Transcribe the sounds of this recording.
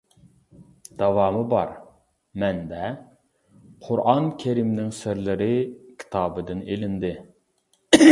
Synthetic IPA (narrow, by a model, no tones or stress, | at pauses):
d̪̥ɛwɑːmɨbɑ̰ɾ | mɛnd̪ɛ | qʰʊɾʔɑnkʲʰeɾimnɪŋsɪɾlɪɾɪkʲʰi̥t̪ʰɑːbɨd̪ɪnelɪnd̪ɪ